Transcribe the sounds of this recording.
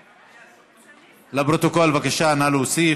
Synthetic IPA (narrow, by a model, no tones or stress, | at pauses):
labɾot̪okolvakaʃanaluosi